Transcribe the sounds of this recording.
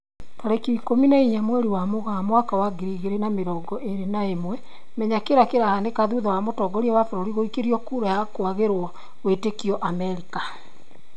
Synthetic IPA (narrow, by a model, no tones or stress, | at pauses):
taɾekiːkominaiɲamwɛɾiwamoɣamwakawaɡiɾiɣeɾenameɾɔːɡɔʔeɾenaemwɛ | mɛɲakeɾakeɾahanekaðuðɔwamotɔɡɔɾiɛwafoɾoɾiɣoikeɾiɔkuːɾajakwaɣeɾwɔ | wetekiɔʔamɛɾika